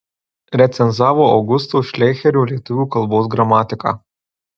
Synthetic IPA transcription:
ɾʲɛt̪sʲɛnzaːʋɔɐwɡʊst̪ɔʃlʲɛjxʲɛɾʲulʲɛt̪ʊʋʲuːkɐlˠbɔːzɡɾɐmaːt̪ʲɪkɐ̰

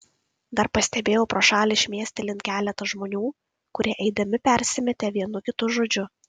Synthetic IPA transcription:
d̪ɐɾpɐsʲt̪ʲɛbʲeːjɛʊpɾoːʃɑːlʲɪʃʲmʲiɛsʲt̪ʲɛlʲɪnt̪̚kʲæːlʲɛt̪ɐʒmoːnʲuː | kʊɾʲiɛʔɛɪd̪ɐmʲɪpʲɛɾʲsʲɪmʲɛt̪ʲeːʋʲiɛnʊkʲɪt̪ʊʒoːd͡ʒʲʊ

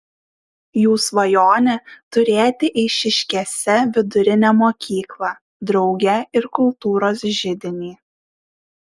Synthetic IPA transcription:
juːsʋɐjoːnʲɛt̪ʊɾʲeːt̪ʲɪʔɪɪʃʲɪʃʲkʲɛsʲɛʋʲɪd̪ʊɾʲɪnʲɛmoːkʲʰiːklˠɑː | d̪ɾɒʊɡʲɛɪɾkʊlˠt̪uːɾoːsʒʲɪd̪ʲɪnʲiː

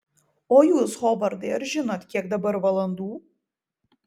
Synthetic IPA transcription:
oːjuːshɔbɐɾd̪ɐɪɾʒʲɪnot̪ʲkʲiɛkd̪ɐbɐɾʋɐlˠɐnd̪uː

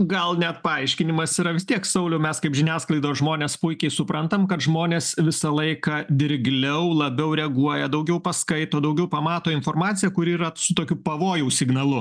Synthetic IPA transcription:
ɡɐlˠnʲɛt̪̚pɐɐɪʃʲkʲɪnʲɪmɐsiːɾɐʋʲɪst̪ʲiɛksɐʊlʲɛʊmʲɛskɐɪpʒʲɪnʲæːsklˠɐɪd̪oːsʒmoːnʲeːspʊɪkʲɛɪsʊpɾɐnt̪ɐmkɐt̪ʒmoːnʲeːsʋʲɪsɐlˠɐɪkɑd̪ʲɪɾʲɡlʲɛʊlˠɐbʲɛʊɾʲɛɐɡuɔjɛd̪ɐʊɡʲɛʊpɐskɐɪt̪oːd̪ɐʊɡʲɛʊpɐmɑːt̪oːɪnfoːrmɑːt̪sʲɪjɛkʊɾʲiːɾɐsʊt̪oːkʲʊpɐʋoːjɛʊsʲɪɡnɐlˠʊ

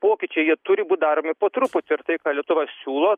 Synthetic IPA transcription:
poːkʲɪt͡ʃʲɛɪjiɛt̪ʊɾʲɪbuːt̪̚ʲd̪ɑːɾoːmʲɪpoːt̪ɾʊpʊt̪ʲɪɾt̪ɐɪkɑːlʲiɛt̪ʊʋɐsʲuːlˠoː

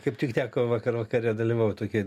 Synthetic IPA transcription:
kɐɪptʲɪkt̪ʲæːkoːʋɐkɐrʋɐkɐɾʲɪjɛd̪ɐlʲiʋɐʊt̪oːkʲɪ

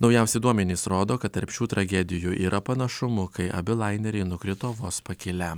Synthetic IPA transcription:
nɒʊjɛʊsʲɛɪd̪uɔmʲɛnʲiːsɾoːd̪oːkɐt̪̚t̪ɐɾʲpʲʃʲuːt̪ɾɐɡʲɛd̪ʲɪjuʔiːɾʔɐpɐnɐʃʊmʊkɐɪʔɐ̰bʲɪlˠɑɪnʲɛɾʲɛɪnʊkɾʲɪt̪oːʋoːspɐkʲɪlʲæ

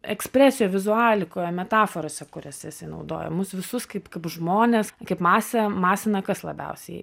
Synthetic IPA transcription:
ɛksʲpʲɾʲæːsʲɪjoːʋʲɪzʊɑːlʲɪkoːjomʲɛt̪ɑːfoːɾoːsʲɛkʊɾʲɛsʲɛɪsɐɪnɐ̰ʊd̪o̰ːjɛ̰mʊsʋʲɪsʊskɐɪpkɐɪpʒmoːnʲeːskɐpmɑːsʲɛmɑːsʲɪnɐkɐslˠɐbʲɛ̰ʊsʲɛ

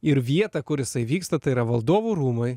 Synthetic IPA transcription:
ɪɾʋʲiɛt̪ɐkʊɾjɪsɐɪʋʲiːkst̪ɐt̪ɐɪiɾɐʋɐlˠd̪oːʋuɾuːmɐɪ

